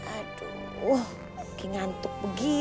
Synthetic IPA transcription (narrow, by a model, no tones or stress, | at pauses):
aduŋu | kiŋant̪ʊk̚bəɡi